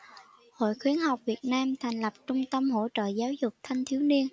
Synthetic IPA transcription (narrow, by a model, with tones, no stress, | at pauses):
ho̰˧˨jxwi˨˦ənɦa˨˩wk͡p̚vi˨˩ət̚naː˧mt̪ʰa˨˩jŋ̟lə˨˩p̚t͡ɕʊ˧ŋ͡mt̪ə˧mɦo̰˧˥t͡ɕə̰ː˧˨zaː˨˦wzʊ˨˩k͡p̚t̪ʰa˧jŋ̟t̪ʰi˨˦wni˧ən